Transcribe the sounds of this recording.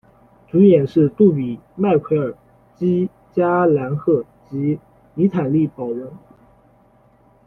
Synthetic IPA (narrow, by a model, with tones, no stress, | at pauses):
t͡su˧˥jɛ˨˩nʂɻ̩˥˧t̪u˥˩pi˨˩ma˥˩ɪkʰwe˧˥ɪə˞˨˩ | t͡ɕi˥ | t͡ɕja˥la˧˥nxɤ˥˩ | t͡ɕi˧˥ | ni˧˥t̪ʰa˨˩nli˥˩pɑ˨˩ʊɻə˧˥n